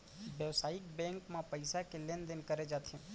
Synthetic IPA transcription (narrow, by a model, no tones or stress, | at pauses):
ʋjəʋsaːɪk̚bɛ̃ŋkmãpəjsakelend̪ɪnkəɾed͡ʒat̪ʰẽ